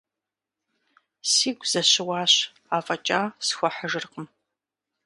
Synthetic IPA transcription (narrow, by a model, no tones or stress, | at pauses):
siːɡʷz̥ɐɕɪwaːɕ | aːfʼɐt͡ʃʼaːsxʷɔħəʒɨrqəm